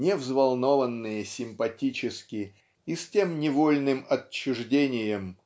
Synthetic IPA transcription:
nʲɪvzvɐlˠno̞vənːɨjəsʲɪmpɐtʲit͡ɕɪskʲɪ | isʲtʲe̞mnʲɪvolʲnɨmɐt͡ɕːʊʐdʲenʲɪjəm

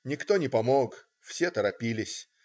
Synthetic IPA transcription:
nʲɪkt̪o̞nʲɪpɐmok | fsʲet̪əɾɐpʲilʲɪsʲ

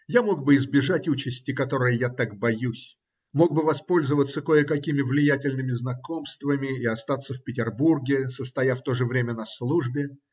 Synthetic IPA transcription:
jamo̞ɡ̚bɨɪzbʲɪʐatʲut͡ɕɪsʲtʲɪkɐt̪o̞ɾɨjəjat̪ak̚bɐjusʲ | mo̞ɡ̚bɨvɐspo̞lʲzəvət̪sːəko̞jəkɐkʲimʲɪvlʲɪjætʲɪlʲnɨmʲɪznɐko̞mst̪vəmʲɪɪɐst̪at̪sːəfʲpʲɪtʲɪrburɡʲɪsəst̪ɐjaft̪o̞ʐɨvɾʲemʲənɐslˠuʐbʲɪ

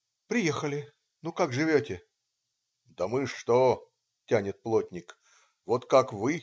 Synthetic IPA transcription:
pɾʲɪjexəlʲɪ | nukakʐɨvʲotʲɪ | d̪əmɨʂt̪o | tʲænʲɪt̪̚plˠotʲnʲɪk | vot̪kakvɨ

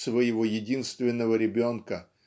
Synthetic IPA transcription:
svəjɪvojɪdʲinst̪vʲɪnːəvəɾʲɪbʲo̞nkə

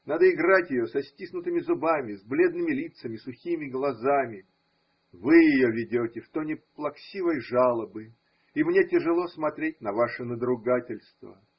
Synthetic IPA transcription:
nad̪əɪɡratʲjɪjosɐsʲtʲisnʊt̪ɨmʲɪzʊbamʲɪzblʲe̞d̪nɨmʲɪlʲit̪səmʲɪsʊxʲimʲɪɡlˠɐzamʲɪ | vɨjɪjovʲɪdʲotʲɪft̪onʲɪplˠɐksʲivəjʐalˠəbɨ | imnʲetʲɪʐɨlˠo̞smɐt̪ɾʲet̚ʲnɐvaʂɨnəd̪ɾʊɡatʲɪlʲst̪və̰

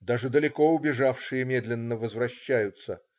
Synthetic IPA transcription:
d̪aʐɨd̪əlʲɪko̞ʊbʲɪʐafʂɨjəmʲe̞d̪lʲɪnːəvəzvɾɐɕːæjʊt̪sə

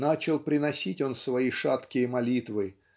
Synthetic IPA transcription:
nat͡ɕɪlˠpɾʲɪnɐsʲitʲo̞nsvɐiʂat̪kʲɪjəmɐlʲit̪vɨ

